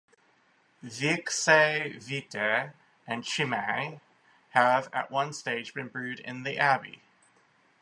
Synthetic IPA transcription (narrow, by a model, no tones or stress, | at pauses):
vikseɪvitʰɛ | ɨ̃nʃimeɪ | əvɨ̰ʔwʌ̃nsteɪd͡ʒbɨ̃nbɹʉɾɪ̰̃nðiʔæbḭ